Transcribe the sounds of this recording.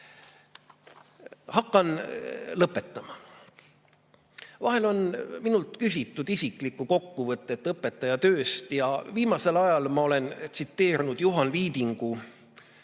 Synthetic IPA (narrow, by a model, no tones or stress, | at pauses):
hɑkːˑɑnlɤpːˑe̞t̪ːˑɑmɑ | vɑɦe̞lo̞nminult̪kysʲit̪ːˑud̪isikˑlikːˑuko̞kːuvɤt̪ːˑe̞t̪ːˑlɤpːˑe̞t̪ːˑɑjɑt̪øːst̪jɑviːmɑse̞lɑjɑlmɑo̞le̞nt̪sit̪ːe̞ːɾnud̪̥juɦɑnviːd̪iŋɡ̥u